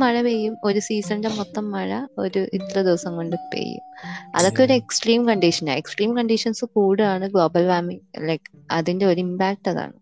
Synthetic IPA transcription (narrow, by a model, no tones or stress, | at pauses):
ɐɻɐʋejːumo̞ɾusiːsɐndemot̪ːɐmːɐɻɐo̞̰ɾuʔit̪ːɐlɐd̪iʋɐsɐŋko̞ɳɖɨpḛjːṵmɐ̰ðo̞kːe̞oɾue̞ksʈriːmkɐɳɖiʂɐna̰eksʈriːmkɐɳɖiʂɐnsɨkuːɽɨaːɳɨɡɭo̞ːbɐlʋaːmiŋlɐk | ɐðinde̞o̞ɾuimbaːk̚ʈːɐða̰ːɳɨ